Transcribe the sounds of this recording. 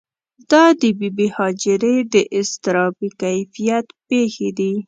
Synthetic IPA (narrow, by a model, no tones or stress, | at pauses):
d̪ɑd̪əbibihɑd͡ʒɪɾed̪əʔɪst̪ɪɾɑbikajfijat̪pexed̪i